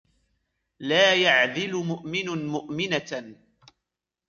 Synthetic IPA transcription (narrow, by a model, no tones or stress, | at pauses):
laːjaʕðɪlʊmʊʔmɪnmʊʔmɪna